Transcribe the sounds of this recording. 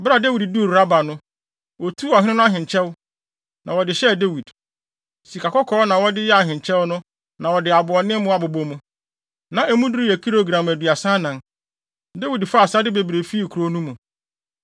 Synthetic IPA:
bɾa˨de˦wi˨ddu˦˨ɾɾa˦ba˨nʊ̃˦ | wɔ˨tʰu˦ɔ˨hɪ̃˦ɪ̃˦nʊ̃˦a˦ɦɪ̃˨ɲt͡ɕʰɛ˦w | nʔã˨wɔ˨dɪ˨ɕɛ˦˨de˦wi˨d | si˨kʰa˨kɔ˦kʰɔː˦nã˨wɔ˦dɪ˦jɛ˦a˨ɦɪ̃˨ɲ˨t͡ɕʰɛ˦wnʊ̃˦ | nã˨wɔ˨dɪ˨a˨bʊ˨ɔ˨nɪ̃˦mʊ̃˦a˨bʊ˨bo˦mũ˦ | nã˨ʔɛ˦mũ˦du˦ɾi˦æ˨kʰi˦ɾo˦ɡɾã˨m˨æ˨du˨a˨sã˦nã˨n | de˦wi˨dfa˦˨sa˦dɪ˦be˨bɾe˨fi˦˨kʰɾo˦nũ˦mũ˨

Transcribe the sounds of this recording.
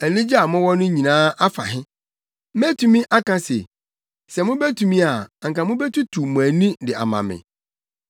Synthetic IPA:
æ˨nĩ˦d͡ʑi˦a˨mʊ̃˦wɔ˦nʊ̃˦ɲĩ˨nãː˦ʔa˦fa̰˨ɦɪ̃˦ | m˦ɛ˦tʰu˦mĩ˦ʔa˦kʰã˦se˨ | sɛ˨mʊ̃˦bɛ˦tʰu˨mĩ˦a˨ŋ̩˨ka˨mʊ̃˦bɛ˦tʰu˦tʰu˨mʊ̃˨æ˨nĩ˦dɪ˨a̰˨mã̰˨mɪ̰̃˨

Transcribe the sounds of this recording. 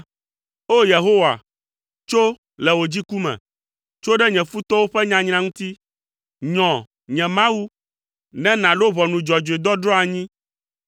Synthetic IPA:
o˦je˨ɦo˦wa̰˨ | t͡ʃo˦ | lɛ˨wo˨d͡ʑi˦ku˦mɛ̰̃˨ | t͡ʃo˦ɖɛ˦ɲɛ̃˨fu˦t̪ɔ˦wo˦ɸɛ˦ɲã˨ɲnã˨ŋũ˦t̪i˦ | ɲɔ̃˨ | ɲɛ̃˨mã˦wu˦ | nɛ̃˦nã˨lo˦βɔ˨nũ˨d͡ʒɔ˨d͡ʒo˨e˨d̪ɔ˦ɖɾɔ̃˦a˨ɲĩ˦

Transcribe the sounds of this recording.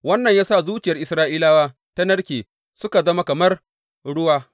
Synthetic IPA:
wɐ˦nːɐ˨ɲjaː˦sa˦˨zuː˦t͡ʃɪ˨jɐ˨rʔɪ˨sɾaː˦ʔiː˦laː˦waː˦ | ta˦nɐ˦rkʲeː˨ | sʊ˦ka˨zɐ˦ma˦kɐ˨mɐ˦r | ɽʊ˦waː˦

